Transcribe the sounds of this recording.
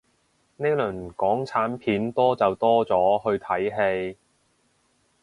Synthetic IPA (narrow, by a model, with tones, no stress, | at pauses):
ne˥jlɵ˨˩nkɔː˨˥ŋt͡sʰaː˨˥npʰiː˨˥nt̪ɔː˥t͡sɐ˨wt̪ɔː˥t͡sɔː˨˥ɦɵ˧ɥt̪ʰɐ˨˥jɦe˧j